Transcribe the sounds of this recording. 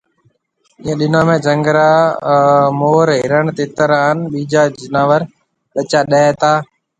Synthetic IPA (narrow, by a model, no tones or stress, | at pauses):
ɪːə̃ːɗɪnãːmẽːd͡ʒə̃ŋɡɾaː | moːɾɦɪɾəɳt̪eːt̪əɾaːənɓiːd͡ʒaːd͡ʒɪnaːʋəɾ | ɓət͡ʃaːɗəːɛt̪aː